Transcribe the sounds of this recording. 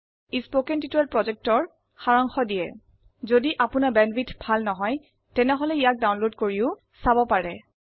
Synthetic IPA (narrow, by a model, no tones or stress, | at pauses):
ispokɛntitɛlpɹɔzɛk̚tɔɹ | xaɹɔŋxɔdijɛ̰ | zodiʔapʊnabɛnbitbʱalnɔɦɔj | tɛnɛɦɔlɛijak̚dawnlodkoɹiʊ | sabɔpaɹɛ